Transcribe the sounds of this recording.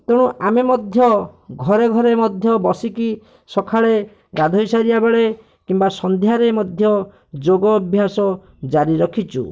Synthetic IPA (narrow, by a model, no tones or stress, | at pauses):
t̪eɽ̃uʔamemɔd̪ʱjɔɡʱɔɾeɡʱɔɾemɔd̪ʱjɔbɔsiki | sɔkʰaɭe | ɡad̪ʱɔisaɾiabeɭe | kimbasɔnd̪ʱjaɾemɔd̪ʱjɔ | d͡ʒoɡɔːbʱjasɔ | d͡ʒaɾiɾɔkʰit͡ʃṵ